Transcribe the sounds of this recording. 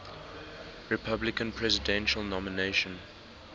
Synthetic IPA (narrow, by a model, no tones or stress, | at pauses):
ɹɪpʰablɪkə̃npʰɹɛzɪdɛ̃nʃəlˠnɔmɪneɪʃə̃n